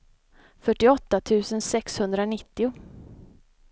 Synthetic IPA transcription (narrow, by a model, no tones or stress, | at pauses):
fœʈːɪɔt̪ːat̪ʰʉ̟ːsənsɛkshɵnd̪ɾanɪt̪ːɪʊ